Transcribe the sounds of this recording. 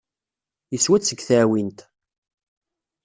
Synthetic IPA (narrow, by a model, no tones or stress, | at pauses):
jəswæt͡sːəɡθæwint̪